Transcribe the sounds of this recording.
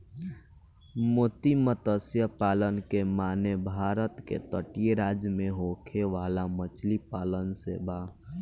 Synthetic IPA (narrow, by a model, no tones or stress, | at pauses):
moːt̪imət̪əsjəpaːlənkemaːnebʱaːɾət̪kḛt̪əʈijeɾaːd͡ʒjəmẽɦokʰeʋaːlamət͡ʃlipaːlənsḛba